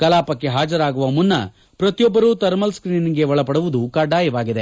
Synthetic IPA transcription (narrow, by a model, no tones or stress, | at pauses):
kɐlaːpɐkːe̞ɦaːd͡ʒɐɾaːɡuʋɐmunːɐ̰ | pɾɐt̪ijɔbːɐɾuːt̪ɐɾmɐlskɾiːniɡe̞ʋɐɭɐpɐɽuʋud̪ukɐɖaːjɐʋaːɡid̪e̞